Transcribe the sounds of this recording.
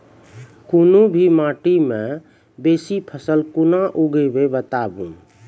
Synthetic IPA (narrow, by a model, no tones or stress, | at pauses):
kunubʱimãʈimẽ | beːsipʰəsəlkunaʔuɡəbebət̪abũ